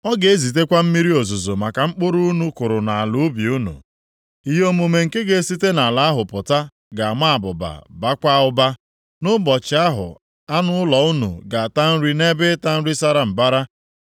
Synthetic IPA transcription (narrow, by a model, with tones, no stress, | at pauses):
ɔ˦ɡe˨e˦zi˨t̬e˦kʷa˦m̩˦mi˦ɾi˦o˨zu˨zo˨ma˨ka˨ŋ͡m̩˦k͡pʊ˦ɾu˦u˦nu˦kʊ˨ɾʊ˨na˨a˨lʊ˦bi˨u˦nṵ˨ | i˨ɦo˦mu˨me˨ŋ̩˨ke˦ɡe˨˦si˦te˦na˨la˦a˦ɦʊ˨pʊ˨ta˦ | ɡa˨ma˦a˨bʊ˨ba̰˨ba˦kʷa˦ʊ˦ba˦ | nʊ˦bɔ˨t͡ʃɪ˨a˦ɦʊ̰˨ | a˦nʊ˦ʊ˦lɔ˨u˦nṵ˨ɡa˨a˨ta˦n̩˦ɾi˦ne˦bɪ˦ta˦n̩˦ɾi˦sa˦ɾa˦m̩˨ba˦ɾa˦